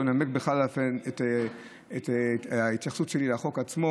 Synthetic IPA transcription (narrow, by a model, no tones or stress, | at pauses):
namekbeχlalafenet | etait̪jaχsut̪ʃelilaːχo̞kat͡smo